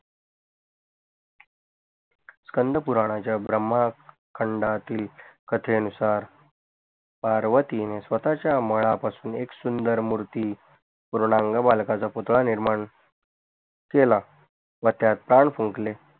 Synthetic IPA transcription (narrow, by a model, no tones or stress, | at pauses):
skənd̪ʱəpuɾaɽ̃at͡ɕjabɾəmːa | kʰəɳɖat̪iːlkət̪ʰeənusaɾ | paɾʋət̪inesʋət̪at͡ɕjaməɭapasuːneksund̪əɾmuɾt̪iː | puɾɳaŋɡabalkat͡saput̪ɭaniɾmaɳ | kela | ʋət̪jat̪̚pɾaɳfũŋkle